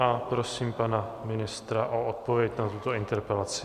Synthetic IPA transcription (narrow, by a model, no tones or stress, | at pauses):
ʔapɾo̞siːmpanamɪnɪst̪ɾaʔoot̪̚po̞vjɛcnat̪ut̪o̞ɪnt̪ɛɾpɛlat͡sɪ̥